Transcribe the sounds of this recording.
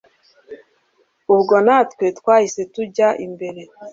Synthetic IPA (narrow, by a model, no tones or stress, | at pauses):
uβɡonatkwetkwaːhise̞tuɟaʔimbe̞ɾe̞